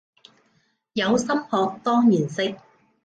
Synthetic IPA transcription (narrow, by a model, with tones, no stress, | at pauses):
jɐ˨˧wsɐ˥mhɔː˧k̚t̪ɔː˥ŋjiː˨˩nsɪ˧k̚